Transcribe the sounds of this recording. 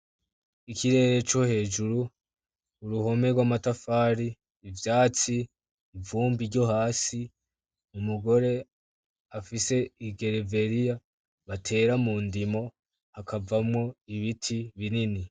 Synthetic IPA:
ikiɾe̞ːɾe̞t͡ʃo̞he̞ːʒuɾuː | ɾuho̞me̞ɡwamatafaːɾiː | vjaːt͡siː | vuːmbiɾɟo̞ɦaːsi | umuɡo̞ɾe̞ | afise̞iɡe̞ɾeve̞ɾija | βatʰe̞ːɾamuːndimo̞ | hakavamŋo̞iβitʰiβinini

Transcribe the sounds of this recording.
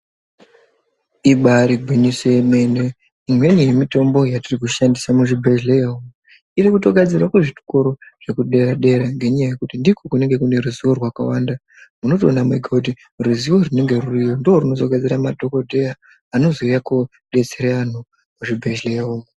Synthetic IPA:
iɓaɾiɡʱwiniseeme̞ne | imwe̞ɲijemito̞mbo̞jatirikuʃandisamuʐibʱeʒleeɦomu | irikuto̞ɡʱad͡zirakuʐitko̞ɾo̞ʐ̥e̞kuɗe̞raɗe̞ɾaŋɡe̞ɲajaje̞kutindikʰo̞kune̞ŋɡe̞kune̞ɾuziʋo̞rwakawanda | muno̞toːnameɡʱakut̬i | ruziʋo̞rine̞ŋɡe̞rurijondooruno̞zo̞ɡʱad͡ziɾamadʱo̞kodʱe̞ja | ano̞zo̞ujaku | ɗe̞t͡se̞ɾeʋan̤u | muʐibʱeʒleeɦomu

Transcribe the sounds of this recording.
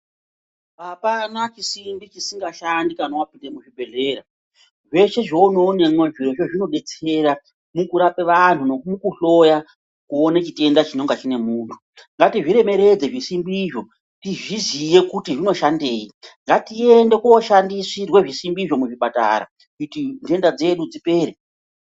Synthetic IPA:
papanat͡ʃisimbit͡ʃisiŋɡaʃandikanawapinde̞muʐibʱe̞ɮe̞ːɾa | ʐe̞ʃe̞ʐouno̞ːnenweʐiroʐoʐino̞ɗe̞t͡se̞ɾa | mukuɾapeʋan̤unokmukuɬo̞ja | kuonet͡ʃite̞ndat͡ʃinoŋɡat͡ʃine̞muːntʰu̥ | ŋɡatiʐiɾe̞me̞ɾe̞d͡ze̞ʐisimbiʐo̞ | tiʐizije̞kutiʐino̞ʃande̞ːiŋɡatie̞nde̞kooʃandisirwe̞ʐisimbiʐo̞muʐiɓata̰ɾa̰ | kutinte̞ndad͡ze̞ɗud͡zipe̞ːɾe

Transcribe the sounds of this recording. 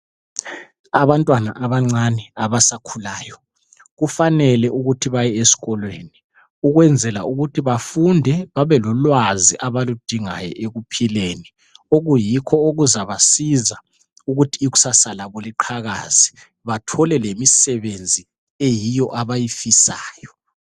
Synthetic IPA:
aβantʼwana̰ʔaβaŋ͡ǀanɛaβasakʰulaːjɔ | ɣufanɛlɛʔuɣutʰiβajɛesi̥ɣɔlweːni | uɣwɛnd͡zʱɛla̰uɣutʰiβafundʱɛβaβɛlɔlwaziʔaβalud̥ʱiŋa̰jɔ̰ʔeɣupʰileːni | oɣujikʰɔoɣuzaβasiza | uɣutʰiːɣu̥sasalaβoliǃʰaɣaz̥i̥ | βatʰɔlɛlemisɛβend͡zʱi | ejijɔʔaβajifisaːjɔ

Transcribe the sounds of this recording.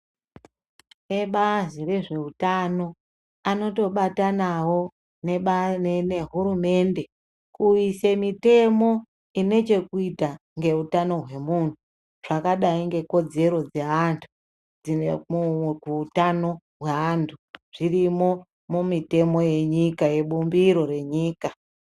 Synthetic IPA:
e̞ɓazire̞ʐe̞utano̞ | ano̞to̞ɓatanawo̞ | ne̞ɓanene̞ɦuɾume̞nde̞ | kuisemite̞mo̞ | ine̞t͡ʃe̞kuita | ŋɡe̞utano̞ɦwe̞muntu | ʐ̥akaɗaiŋɡe̞ko̞d͡ze̞ɾo̞d͡zeʋantʰu̥ | d͡zinekuutano̞ | ɦwaantʰuʐ̥irimo̞ | mumite̞mo̞je̞ɲikaje̞ɓumbiɾo̞ɾe̞ɲiːka

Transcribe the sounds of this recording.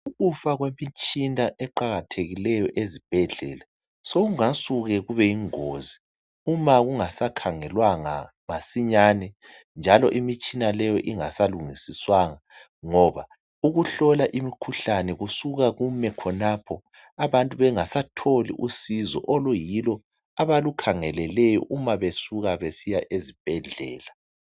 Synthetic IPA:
uɣufaɣwemit͡ʃʼindʱʼaʔɛǃaɣatʰeɣilɛjɔʔezib̥ʱɛɮɛːla | soɣuŋasuɣɛɣuβɛjiŋozi | umaɣuŋasakʰaŋɛlwaŋa̰ | masiɲaːnɛ | nd͡ʒʱalɔ̰ʔimit͡ʃʼinalɛjɔʔiŋasaluŋisiswaŋa | ŋɔβa | uɣuɬɔlaʔimikʰuɬanɛɣusuɣaɣumɛkʰɔnapʰɔ | aβantʼuβɛŋasatʰolḭʔusizɔ̰ʔɔlɔjilɔ | aβalukʰaŋɛlɛlɛjɔ̰ʔumaβesuɣaβesijaʔezib̥ʱɛɮɛ̰ːla

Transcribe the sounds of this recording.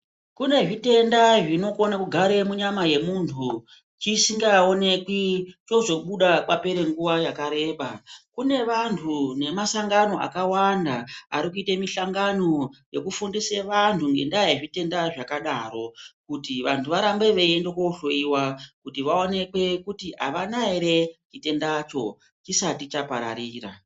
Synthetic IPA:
kune̞ʐite̞ndaʐino̞konakuɡʱaɾe̞muɲamaje̞muntʰu | t͡ʃisiŋɡao̞ne̞kwit͡ʃo̞zo̞ɓuɗakape̞ɾe̞ŋɡuʋajakaɾe̞ɓakune̞ʋantʰune̞masaŋɡano̞ʔa̰kawandaa̰ɾikuitemiɬaŋɡano̞je̞kufundiseʋantʰuŋɡe̞̰ndajeʐite̞ndaʐakaɗaɾo̞kutiʋantʰuʋaɾambe̞ʋe̞endekouɬoiwakutiʋao̞ne̞kwe̞kutiɦa̰ʋanaiɾe̞t͡ʃite̞ndat͡ʃo̞̰ | t͡ʃisatit͡ʃapaɾa̰ɾiːra̰

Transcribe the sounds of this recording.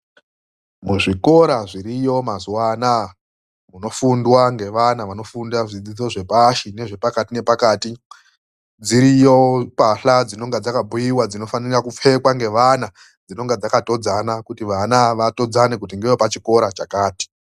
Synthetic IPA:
muʐiko̞ɾaʐiɾijo̞mazuwaːna | muno̞fundwaŋɡe̞ʋanaʋano̞fundaʐid͡zid͡zo̞ʐe̞paʃine̞ʐe̞pakatine̞pakati | d͡ziɾijo̞paɬad͡zino̞ŋɡed͡zakabʱujiwad͡zino̞fanirakup͡fe̞kwaŋɡe̞ʋana | d͡zino̞ŋɡed͡zakato̞d͡zanakutiʋanaʋato̞d͡zanekutiŋɡeopat͡ʃiko̞ɾat͡ʃakaːti̥

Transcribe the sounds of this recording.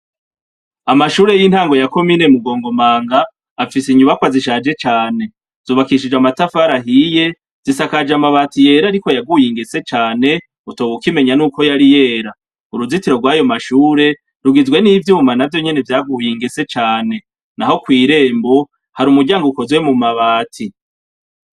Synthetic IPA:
amaʃuːɾe̞jinhaːŋɡo̞jako̞mine̞muɡo̞ːŋɡo̞maːŋɡaː | fisiɲuβakwaziʃaːd͡ʒe̞t͡ʃaːne̞ | z̥uːβakiʃ̬id͡ʒwamatafaɾaɦije̞ | z̥isakad͡ʒamaβaːtije̞ːɾaɾiko̞jaɡujiŋɡese̞t͡ʃaːne̞ | uto̞wukime̞ɲanuːko̞jaɾije̞ːɾa | uɾuzitiɾo̞ɡwaːjo̞maʃuːɾe̞ | ɾuɡizɡwe̞niːvjuːmanavjo̞ɲe̞ne̞vjaːɡuːjiŋɡeset͡ʃaːne̞ | naho̞kwiːɾe̞ːmbo̞ | haɾumuɡɟaːŋɡouko̞zwe̞mumaβaːtʰi

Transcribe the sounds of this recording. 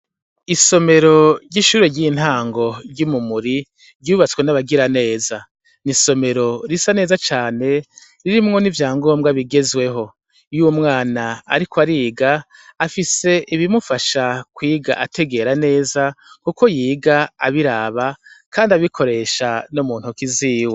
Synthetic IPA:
iso̞me̞ɾo̞ɾɟiʃuːɾe̞ɾɟin̥haːŋɡo̞ɾɟumumuɾi | ɾɟuːβat͡swe̞naβaɡiɾane̞ːza | niso̞me̞ɾo̞ɾisane̞ːzat͡ʃaːne̞ɾiɾimŋo̞nivjaːŋɡo̞ːmɡaβiɡe̞zwe̞ɦo̞ | juumŋaːnaa̰ɾikʰoaɾiːɡaː | fise̞ʔiβimufaʃakwiːɡa̰ʔate̞ɡe̞ɾane̞ːzakuko̞jiːɡaaβiɾaːβakʰaːndiaβikʰo̞ɾe̞ʃanomuːn̥hukiziːwe̞

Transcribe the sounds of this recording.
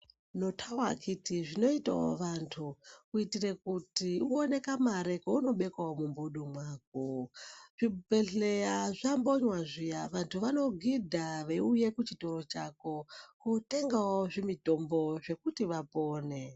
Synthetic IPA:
no̞tʰawa̰kʰitiʐino̞ita̰wo̰ʋantʰukuitire̞kutiuone̞kamaɾe̞kouno̞ɓe̞kwawomumbuɗumwaːk̚oʐ̥ibʱe̞ɮe̞jaʐambo̞ɲwaʐijaʋantʰuʋano̞ɡʱidʱaʋe̞uje̞kut͡ʃito̞ɾo̞t͡ʃako̞kute̞ŋɡaoʐimito̞mbo̞ʐe̞kutiʋapoːne̞

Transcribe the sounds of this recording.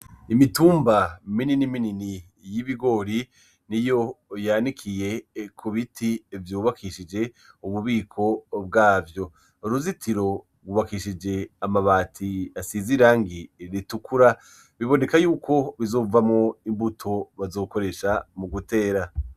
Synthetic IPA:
imituːmbamininiminini | jiβiɡo̞ɾi | nijo̞janikʰije̞kʰuβitʰivjuːβakʰiʃid͡ʒe̞ | uβuβiːkʰo̞bɡaːvjo̞ | ɾuzitʰiɾo̞ | ɡwuβakiʃid͡ʒe̞amaβaːtʰiasiziɾaːŋɡiɾitukuɾa | βiβo̞ne̞kajuːkʰo̞βizo̞ːuvamŋo̞imbutʰo̞βazo̞ːko̞ɾe̞ʃamuɡute̞ːɾa

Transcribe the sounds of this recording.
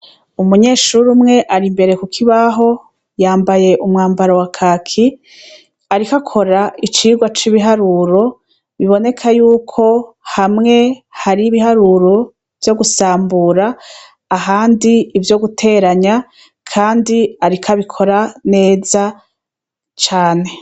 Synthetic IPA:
umuɲe̞ːʃuɾumŋe̞ʔaɾimbe̞ɾe̞kukʰiβaɦo̞ | jaːmbaje̞ʔumŋaːmbaɾowakʰaːkʰi | aɾikakʰo̞ɾait͡ʃiːɡwat͡ʃiβiɦaɾuːɾo̞ | βiβo̞ne̞kʰajuːkʰo̞ | hamŋe̞haɾiβiɦaɾuɾo̞ | v̥jo̞ɡusaːmbuɾaː | ɦaːndiːvjo̞ɡutʰe̞ːɾaɲa | kʰaːndiaɾikʰaβikʰo̞ɾane̞ːza | t͡ʃaːne̞

